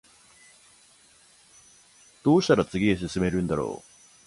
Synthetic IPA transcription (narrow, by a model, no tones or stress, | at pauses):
d̪̥o̞ːɕi̥t̪aɾat͡sɨɡʲies̬ɨsɨme̞ɾɯ̟̃nd̪aɾo̞̰ː